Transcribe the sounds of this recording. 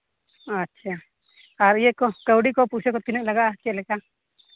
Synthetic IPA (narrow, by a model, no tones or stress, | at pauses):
ətːʃʰa | ɔːɾjekokəwɽikopuːt͡ʃʰekot̪ɪnəklɐɡakeleka